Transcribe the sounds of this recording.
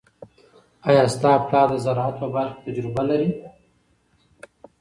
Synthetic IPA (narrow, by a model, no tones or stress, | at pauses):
ajɑst̪ɑplɑd̪əzaɾɑat̪pəbaɾxt̪ad͡ʒɾɪbalaɾi